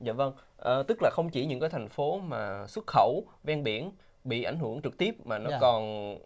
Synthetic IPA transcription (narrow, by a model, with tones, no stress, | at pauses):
za̰ː˧˨və˧ŋʔəː˨˩t̪ɨ˦˥k̚laː˨˩xə˧wŋ͡mt͡ɕi˧˩ɲɨ̰˧˥ŋkaː˨˦jt̪ʰa˨˩jŋ̟fo˨˦maː˨˩swə˦˥t̚xə˧˩wvɛ˧nɓi˧˩ən | ɓḭ˧˨ʔa˧˩jŋ̟hɨ˧˩əŋt͡ɕɨ˨˩k̚t̪i˦˥əp̚maː˨˩nɔ˨˦kɔ˨˩n